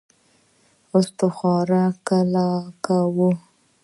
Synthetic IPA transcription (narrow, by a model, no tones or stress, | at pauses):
ʊst̪oxɑɾakalakawu